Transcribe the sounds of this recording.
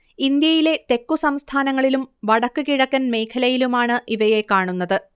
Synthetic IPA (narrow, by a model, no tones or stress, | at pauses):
ind̪jɐjile̞t̪e̞kːusɐmst̪ʰaːnɐŋːɐɭilumʋɐɽɐkːɨkiɻɐkːɐnme̞ːkʰɐlɐjilumaːɳɨʔiʋɐje̞kaːɳunːɐðɨ